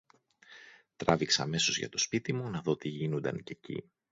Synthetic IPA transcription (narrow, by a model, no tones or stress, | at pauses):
t̪ɾɐviksɐ̰me̞so̞zʝɐ̰t̪o̞spit̪imunɐðo̞t̪iʝinond̪ɐ̰nce̞cḭ